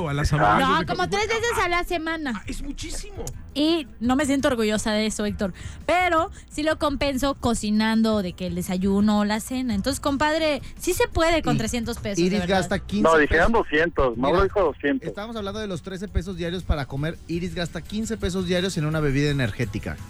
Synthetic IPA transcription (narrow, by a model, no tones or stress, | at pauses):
alasanokomot̪ɾezβesessalase̞mãnaezmut͡ʃisimoino̞mes̬jent̪ooɾɣuʝo̞saðee̞so̞ek̚t̪o̞ɾpe̞ɾo̞ | silo̞ko̞mpe̞nso̞ko̞sinand̪o̞ðe̞ke̞ld̪e̞saʝuno̞lase̞naent̪onsesko̞mpaðɾe̞sise̞pwe̞ðe̞ko̞nt̪ɾe̞sje̞nt̪ospesoiɾizɾɣast̪akinoðixeɾond̪osjent̪osmaloixoðosjent̪esost̪aβamos̬aβland̪oðelo̞st̪ɾe̞s̬e̞pe̞s̬ozðjaɾjo̞spaɾako̞me̞ɾiɾizɣast̪akinse̞pe̞s̬o̞zðjaɾjo̞se̞nũnaβe̞βiðaeneɾxe̞t̪ika̰